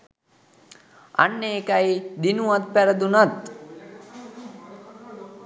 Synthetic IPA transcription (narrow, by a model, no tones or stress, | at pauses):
a̰nːeːkajd̪inuwat̪̚pɛɾəd̪unat̪